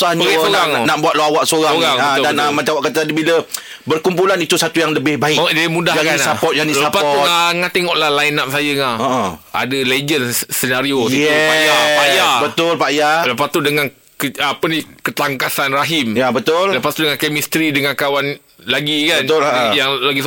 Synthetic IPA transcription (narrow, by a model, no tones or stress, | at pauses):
sansoɣaŋnaʔbuat̪loawaʔsoɣaoɣaŋadaənamat͡ʃawaʔkat̪t̪adibilə | bərkump̬ulanit̪usat̪ujaŋləbɪhbaɪkdamũdahakannsapɔt̪̚janiləapataŋat̪eŋɔʔlahlajnap̚sajəŋaʔə̃ʔa̰dəled͡ʒənsənaɾiot̪iajapajabət̪ʊlpajaləpat̪udəŋan | kəapənikət̪aŋkasanraɦimjabət̪ʊlləpat̪udəŋankemist̪ɾidəŋankawan | laɡikaənt̪ʊljaŋlaɡis